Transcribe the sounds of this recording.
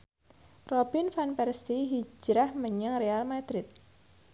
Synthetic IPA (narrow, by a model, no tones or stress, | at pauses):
robinfanpɛrsiɦid͡ʒɾahməɲəŋrealmad̪ɾɪt̪̚